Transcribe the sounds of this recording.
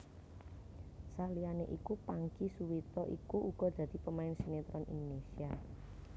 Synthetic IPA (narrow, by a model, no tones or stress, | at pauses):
salianeʔikupaŋkisuwit̪ɔʔḭkuʔuɡ̥ɔ̤d̪̥a̤d̪̥i̤pəmaɪnsinet̪ɾɔnʔḭnd̪onesia